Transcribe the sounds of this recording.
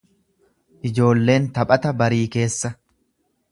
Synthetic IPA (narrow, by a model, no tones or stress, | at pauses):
ʔɪd͡ʒo̞ːlːe̞ːnt̪ɐpʼɐt̪ɐbɐɾiːke̞ːsːɐ